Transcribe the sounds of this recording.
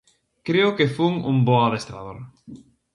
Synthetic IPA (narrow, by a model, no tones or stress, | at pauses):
kɾeʊkefuŋṵmboaðest̪ɾa̰ð̞oɾ